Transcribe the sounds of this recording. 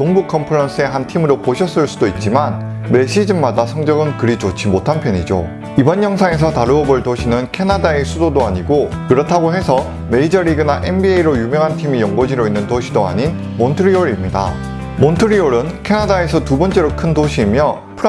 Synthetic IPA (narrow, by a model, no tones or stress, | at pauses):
toŋbukʰʌmpʰɯɾʌns͈ʰɯe̞ɦantʰimɯɾopoɕʰʌs͈ɯɭs͈udoit̚t͡ɕ͈iman | meɕ͈ʰid͡ʑɯmmadasʰʌŋd͡ʑʌɡɯnkɯɾit͡ɕot͡ɕʰimotʰanpʰjʌɲid͡ʑo̰ | ibʌnjʌŋsʰaŋes̬ʰʌtaɾuʌboɭtoɕʰinɯnkʰe̞nadaesʰudodoaɲiɡokɯɾʌtʰaɡoɦe̞sʰʌ | me̞id͡ʑʌɾiɡɯnaʔe̞nbieiɾojumjʌŋɦantʰimijʌŋɡod͡ʑiɾoinːɯntoɕʰidoa̰ɲin | montʰɯɾioɾimɲida̰ | montʰɯɾioɾɯnkʰe̞nadae̞sʰʌtubʌnt͡ɕ͈e̞ɾokʰɯndoɕʰiːmjʌ | pʰɯ